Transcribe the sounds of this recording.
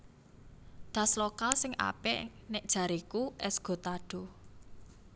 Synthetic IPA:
d̪̥ä̤slokalsɪŋʔa̰pɛʔnɪʔd̥ʒ̥a̤ɾikuʔɛsɡ̥o̤t̪aɖ̥o̤

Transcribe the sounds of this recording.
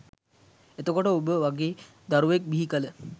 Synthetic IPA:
et̪əkoʈəubəʋaɡeː | d̪aɾuʋek̚biɦikələ

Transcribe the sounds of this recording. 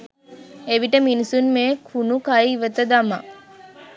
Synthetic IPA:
eʋiʈəminisunmeːkʰunukajʋət̪əd̪ama̰

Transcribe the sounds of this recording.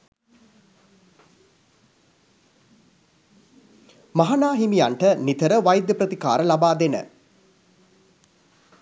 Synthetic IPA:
maɦanaːɦimijaɳʈənit̪əɾəʋajd̪jəpɾət̪ikaːɾəlabaːd̪enə̰

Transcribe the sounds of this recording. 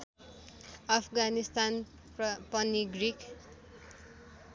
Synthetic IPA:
ʌpʰɡanist̪an | pʌniɡrik

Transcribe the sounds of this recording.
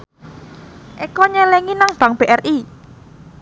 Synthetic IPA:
ʔekɔɲɛlɛŋinaŋb̥a̤ŋb̥eʔɛrʔi

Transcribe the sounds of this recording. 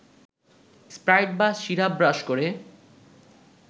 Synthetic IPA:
spɾajʈ̚basʃiɾabɾaʃkoɾe

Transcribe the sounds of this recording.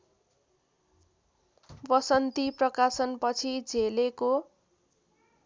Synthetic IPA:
bʌsʌnt̪iprʌkasʌnpʌt͡sʰid͡zʱeleko

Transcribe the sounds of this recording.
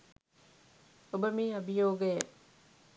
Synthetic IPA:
obəmiːɐbijoːɡɐjɐʔ

